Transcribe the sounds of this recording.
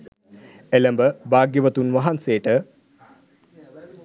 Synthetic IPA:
eləmbəbaːɡjəʋət̪unʋɐɦanseːʈə

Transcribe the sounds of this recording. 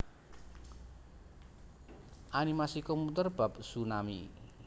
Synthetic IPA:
ʔanimasikɔmput̪ərb̥a̤psunamḭ

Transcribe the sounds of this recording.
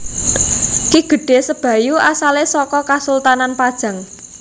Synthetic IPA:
kiɡ̥ə̤ɖ̥e̤səb̥ä̤juasalesɔkɔkasult̪ananpad̥ʒ̥ä̤ŋ

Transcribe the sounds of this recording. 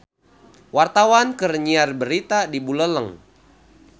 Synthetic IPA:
wart̪awankərɲiarbəɾit̪adibulələŋ

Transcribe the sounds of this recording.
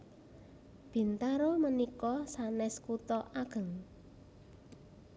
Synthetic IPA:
b̥i̤nt̪aɾomənikɔsanɛskut̪ɔʔaɡ̥ə̤ŋ

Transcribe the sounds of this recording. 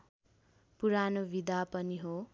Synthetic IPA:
puɾanobid̪apʌniɦo

